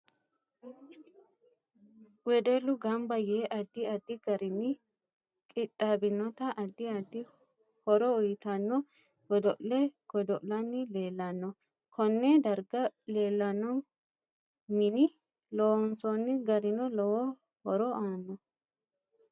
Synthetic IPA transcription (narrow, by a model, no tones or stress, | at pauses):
wɛd̪ɛlːʊɡɐmbɐjeːʔɐd̪ːɪɐd̪ːɪɡɐɾɪnːɪ | kʼɪt̪ʼːabɪnːɔt̪ɐʔɐd̪ːɪɐd̪ːɪ | hɔɾɔʊjɪt̪ɐnːɔ | ɡɔd̪ɔʔlɛɡ̥ɔd̪ɔʔlɐnːɪleːlːɐnːɔ | kʰɔnːɛd̪ɐɾɡɐle̞ːlːɐnːɔ | mɪnɪ | lɔnsɔnːɪɡɐɾɪnɔlɔwɔ | hɔɾɔʔaːnːɔ